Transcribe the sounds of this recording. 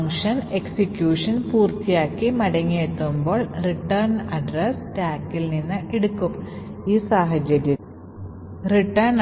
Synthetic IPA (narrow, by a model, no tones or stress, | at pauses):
ŋʂɐneksikjuːʂɐnpuːrt̪ijaːkːimɐɽɐŋːiet̪ːumbo̞ːɭriʈːɐrnɐɖrɐstaːkːilninːɨʔeɽukːumiːsaːɦɐd͡ʑɐɾjɐ | riʈːɐrn